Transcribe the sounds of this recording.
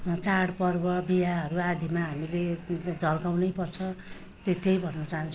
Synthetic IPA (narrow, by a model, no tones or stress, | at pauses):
t͡saɽpʌrbʌbijaɦʌɾuad̪ʱimaɦamiled͡zʱʌlkawnʌjpʌrt͡sʰʌ | t̪et̪ejbʱʌnːʌt͡saɦãnt͡sʰ